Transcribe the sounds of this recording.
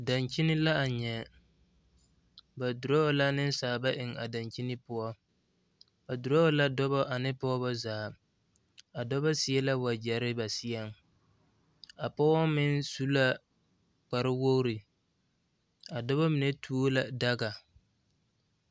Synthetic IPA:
da˨nt͡ʃi˦nɪ˦la˦a˨ɲɛ˨ | ba˨dʊ˨ɾɔ˦la˦nɪ˦n˦saː˨ba˦ʔɪ˨ŋa̰˨da˨nt͡ʃi˦nɪ˦pʊ˦ɔ˦ | ba˨dʊ˨ɾɔ˦la˦dɔ˦bɔ˦ʔa˨nɪ˦pɔ˦bɔ˦zaː˨ | a˨dɔ˦bɔ˦sɪ˦ɛ˦la˦wa˨d͡ʒɛ˨ɾɪ˦ba˨sɪ˦ɛ˦˨ŋ | a˨pɔ˦ɔ˦mɪ˦nsu˦la˦ | k͡pa˨ɾɪ˦wo˦ɾi˨ | a˨dɔ˦βɔ˦mɪ˨ne˦tʰu˦o˦la˨da˦ɡa˨

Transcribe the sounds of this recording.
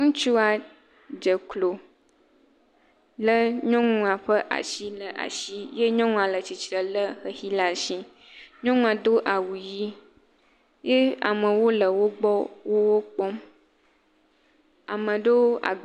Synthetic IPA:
ŋũ˦t͡ʃu˦a˨ | d͡ʒə˨klo˨ | lə˦ɲɔ̃˦ŋũ˦a˨ɸə˦ʔa̰˨ʃi˦lə˨ʔa̰˨ʃi˦je˦ɲɔ̃˦ŋũ˦a˨lə˨t͡ɕi˨t͡ʃɾə˨lə˦xə˨hi˦la˨ʃi˦ | ɲɔ̃˦ŋũ˦a˨d̪o˦ʔa˨wu˨ji˦ | je˦a̰˨mə̃˨wo˦lə˨wo˦ɡ͡bɔ˦wo˦wo˦k͡pɔ˦m | a̰˨mə̃˨ɖo˦wo˦a̰˨

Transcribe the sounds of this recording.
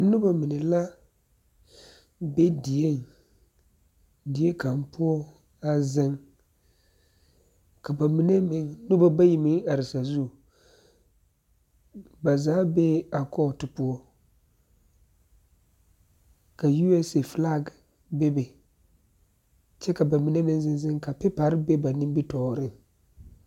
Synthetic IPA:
nʊ˦ba˦mɪ˨nɪ˨la˦ | be˦dɪ˨e˦ŋ | dɪ˨˦e˦ka˨m˦pʊ˦ɔ˦ | a˦zɪ˦ŋ | ka˨ba˨mi˦ne˦mɪ˨ŋ˦nʊ˦ba˦ba˦ji˨mɪ˦ŋa˨ɾɪ˨sa˨zu˦˨ | ba˨zaː˨˦be˦a˨kɔ˦˨tɪ˨pʊ˦ɔ˦ | ka˨ju˦ɛ˦se˨fla˦˨ɡ | be˦bɛ˨ | t͡ʃɛ˦ka˨ba˨mi˨ne˦mɪ˨ŋ˦zɪ˦n˦zɪ˦ŋka˨pɪ˦pa˨ɾɪ˦be˦ba˨nɪ˦mbi˦tɔː˨˦ɾɪ˦ŋ

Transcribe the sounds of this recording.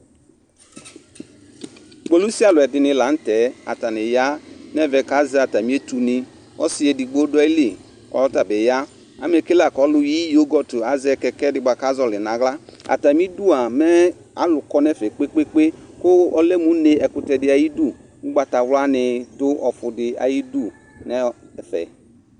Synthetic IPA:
ɡ͡bo˨lu˦si˦a˦˨lʊ˨ɛ˨dɪ˧nɪ˧˨la˨˦n̩˦tɛ˨˦a̰˨ta˨nɪ˨ja˦nɛ˦vɛ˨ka˨˦zɛ˨˦a˨ta˨mi˦e˦tu˨nɪ˧ | ɔ˦si˦e˨di˨ɡ͡bo˦dʊ˦ɛ˦li˨ | ɔ̰˨lɔ˦ta˨bɛ˨ja˦ | a˨˦m˦e˨ke˦la˨kɔ˨˦lʊ˧ji˦jo˦ɡɔ˨tu˨a˨zɛ˧kɛ˧kɛ˦dɪ˨ɡ͡ba˨ka˦zɔ˨lɪ˨na˨˦ɣla˦a̰˨ta˨mi˦du˦a˨mɛ˦ | a˦lʊ˨kɔ˦nɛ˦fɛ˨k͡pe˦k͡pe˦k͡pe˦kʊ˦ɔ˦lɛ˦mu˨˦ne˨ɛ˨kʊ˨tɛ˨dɪ˨˦a˨ji˦du˦˨ | u˦ɡ͡ba˨ta˨wla˦nɪ˧dʊ˦ʔɔ˨fʊ˨dɪ˨a̰˨ji˦du˦˨ | nɛ˦˨fɛ̰˨

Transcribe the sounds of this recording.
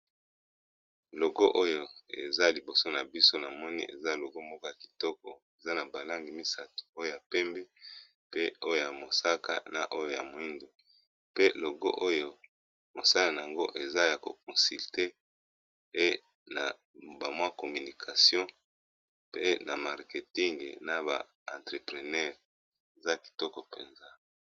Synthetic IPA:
lo˨ɡo˦ʔo˦jo˨ḛ˨za˦li˨bo˨so˦na˨bi˦so˦na˨mɔ˦nḭ˦ʔḛ˨za˦lo˨ɡo˦mbo˦kɔ˦ja˨ki̥˨tɔ˦kɔ˨e˨za˦na˨ba˨la˦ŋɡi˨mi˦sa˦tu̥˨o˦jo˦˨ja˨pɛ˦mbi˦ | pe˦o˦jo˦˨ja˨mo˨sa˦ka̰˦na̰˨ʔo˦jo˨ja̰˨mo˨˦i˦ndo˨ | pe˦lo˨ɡo̰˦ʔo˦jo˨ | mo˨sa˦la˨na˨ja˨ŋɡo˦ʔe˨za˦ja˨ko˨k̚ɔ˨si˨lte˦ | pe˦ | na̰˨ | ba˨mwa˦ko˨my˨ni˨kʰa˨sjɔ̃˦ | pe˦na˨ma˨ʁke˨ti˦ŋɡna˨ba̰˨ | ã˨ntʁe˨pʁe˨nɛ˦˨ʁ | e˨za˦ki̥˨tɔ˦kɔ˨pḛ˨nza˦

